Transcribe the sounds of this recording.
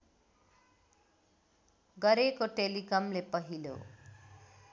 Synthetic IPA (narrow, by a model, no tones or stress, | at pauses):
ɡʌɾekoʈelikʌmlepʌɦilo̰